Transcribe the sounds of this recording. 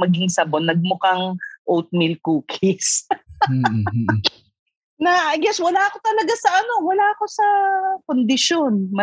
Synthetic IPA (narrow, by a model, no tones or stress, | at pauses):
mɐɡɪŋsɐbonːɐɡ̚mʊkɐŋʔowt̪̚mɪlkuːkʰɪs | nɐʔaɡɛswɐlaːɐko̞t̪ɐlɐɡasɐʔɐno̞wɐlaːɐko̞sɐkond̪ɪʃonmɐ